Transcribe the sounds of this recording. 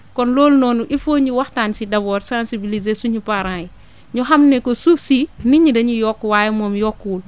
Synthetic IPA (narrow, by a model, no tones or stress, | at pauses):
kɔnlɔːlnɔːnuʔifoːɲuwaxtaːnsidɐbɔːɾsãnsibilizesuɲupaɾãji | ɲuɦamnɛkosuːfsiniɲidɐɲujɔkːwaːjɛmɔːmjɔkːuːl